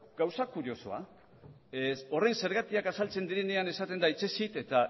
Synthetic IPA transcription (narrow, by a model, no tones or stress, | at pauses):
ɡawsakuɾio̞soa̰ | o̞re̞nse̞ɾɣat̪iakasalt͡se̞nd̪iɾe̞ne̞ane̞sat̪e̞nd̪ait͡se̞sit̪e̞t̪a